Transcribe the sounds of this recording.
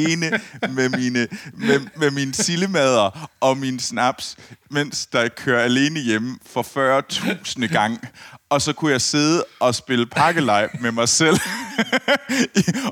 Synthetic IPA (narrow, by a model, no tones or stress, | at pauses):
eːnəmeminəmememinsiləmɛð̞ˠɐʔɒ̽minəsnæb̥smen̰sd̥ɑ̈ɪkʰøɐæle̝ːnəjemfɒ̽fɶːɐt͡sʰṵːsnəɡ̥ɑ̈ŋ̰ɒ̽sɒ̽kʰujɑ̈ɪse̝ð̞ˠəʔɒ̽sb̥e̝ləpʰɑ̈ɡ̥əlɑ̈ɪ̰b̥memɑ̈ɪsel̰